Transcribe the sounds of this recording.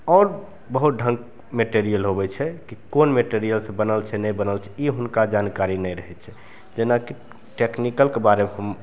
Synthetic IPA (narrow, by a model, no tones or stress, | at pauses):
ɔːɾ | bəɦut̪̚ɖʱə̃ŋk | meʈeɾijəlɦobɛt͡ʃʰɛkikonmeʈeɾijəlsẽbənəlt͡ʃʰɛnɛjbənəlt͡ʃʰɛiɦunkad͡ʒankaɾinɛjɾəɦɛt͡ʃʰɛ | d͡ʒenaki | ʈeknikəlkebaɾemeɦəm